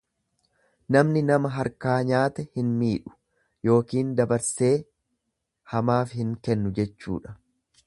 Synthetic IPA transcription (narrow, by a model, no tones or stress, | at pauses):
nɐmnɪnɐmɐɦɐɾkaːɲaːt̪ɛhɪnmiːᶑʊ̥ | jo̞ːkiːnd̪ɐbɐɾse̞ː | hɐmaːfhɪŋkɛnːʊd͡ʒɛt͡ʃːṵːᶑɐ̥